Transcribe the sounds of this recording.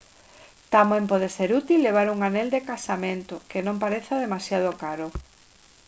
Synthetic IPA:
t̪amempɔð̞eseɾut̪ilːeβ̞aɾuŋaneld̪ekasamẽnt̪okenõmpaɾeθaðemasjað̞okaɾo

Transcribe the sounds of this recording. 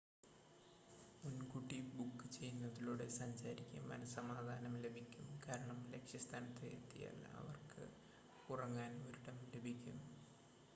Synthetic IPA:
munkuʈːibukːɨt͡ɕe̞jːunːɐðiɭoːɽesɐɲsaːɾikʲːɐmɐ̰nɐsɐmaːd̪ʱaːnɐmle̞bʱikʲːumkaːɾɐɳɐmle̞kʂjɐst̪ʰaːnɐt̪ːeet̪ːija̰ːlːɐ̰ɐ̰ʋɐrkɨ̰ | urɐŋːaːnoɾuɽɐmle̞bʱikʲːum

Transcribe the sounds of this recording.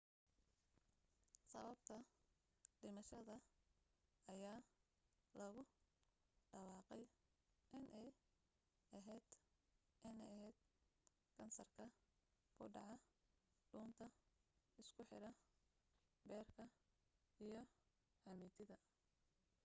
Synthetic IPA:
sɐ̰βɐbt̪ʰɐ | ɖɪmɐʃɐðɐ | ɐjaː | lɐɣʊ | ɖɐwɑːqɛjʔɪnʔɛj | ʔɐɦɛːd̪̥ | ʔɪnɛjɐɦɛjd̪ | kʰɐnsɐrkʰɐ | kʰʊ̰ɖɑʕɑ | ɖuːnt̪ʰɐ | ɪskʰʊħɪ̰ɾɐ | bɛːrkʰɐ | ijɞ | ħɐmiːt̪ʰɪðɐ

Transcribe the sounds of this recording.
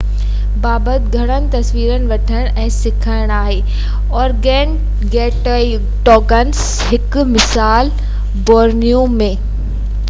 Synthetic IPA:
baːbət̪ɡʱɐɽ̃ənɪ̆t̪ɐsʋiːɾənɪ̆ʋɐʈʰəɪɽ̃ɛ̃ːsɪkʰaːɪɽ̃aːɦeː | ɔːɾɡɛːn | ɡɛːʈoːi | ʈɔːɡəns | ɦɪkmɪsaːl | bɔːɾnijũmẽ

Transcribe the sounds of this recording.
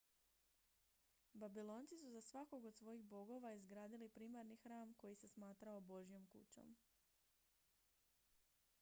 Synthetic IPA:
babilˠo̞ːnt̪sisuzasʋako̞ɡod̪sʋo̞jiɣbo̞ɡo̞ʋaizɡɾaːd̪ilipɾiːmaɾnixɾaːmko̞jise̞smaːt̪ɾaobo̞ʒjo̞mkṵt͡ɕo̞̰m

